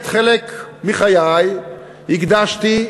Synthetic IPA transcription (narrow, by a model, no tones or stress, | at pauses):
t̪χelekmiχajaj | hiɡd̪aʃt̪i